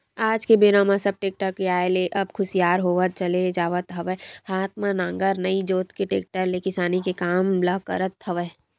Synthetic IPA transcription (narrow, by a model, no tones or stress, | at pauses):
aːd͡ʒkebeːnãmãsɐb̚ʈeːk̚ʈəɾkeaːeleʔɐbkʰʊsijaːɾɦoːʋət̪̚t͡ʃɐled͡ʒaːʋət̪ɦɐʋəhaːt̪manãːŋɡəɾnɐid͡ʒoːt̪keʈeːk̚ʈəɾlekɪsaːnikekaːmlɐkə̰ɾət̪hɐʋə